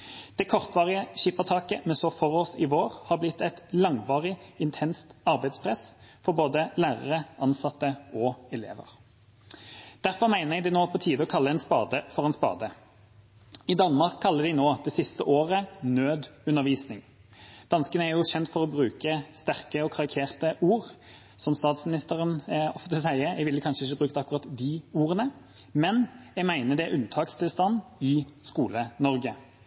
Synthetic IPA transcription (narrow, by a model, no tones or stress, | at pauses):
d̪̥ɛkʰɔʁt̪ʋɑːʁɪəɕɪpːəʁt̪ʰɑːkəmɛsɔfɔʁoːsɪʋoːʁhɑːʁblɪt̪ːɛt̪lɑŋʋɑːʁɪɪnt̪ʰɛnst̪ɑʁbæɪd̪spʰʁɛsfɔʁboːd̪əlæːʁəʁəʔɑnsɑt̪ːəɔɛlḛːʋə̰ʁ | d̪̥æʁfɔʁmæɪnəʁɛɡd̪ɪnoːpʰɔt̪ʰiːd̪əɔkʰɑlːəɛnspɑ̰ːd̪əfɔʁɛːnspɑ̰ːd̪ə | id̪ɑnmɑʁkʰːɑlːəd̪ɪnoːd̪̥ɛsɪst̪əʔoːʁənøːd̪ʉnːəʁʋiːsnɪŋ | d̪̥ɑnskənəæɾjʊɕɛnt̪fɔʁɔbʁʉːkəst̪æʁkəɔkʰɑʁɪkʰeːʁt̪əʔuːʁ | sɔmst̪ɑːt̪smɪnɪst̪əɾənɔft̪əsæɪəɾɛɪʋɪlːəkʰɑnʃəɪç̬əbʁʉːk̚t̪əɑkːʉɾɑt̪d̪ɪuːʁənəmɛnjɛɡmæɪnəd̪ɛʔʉnt̪ʰɑːkst̪ʰɪlst̪ɑnɪskuːlənɔɾɡə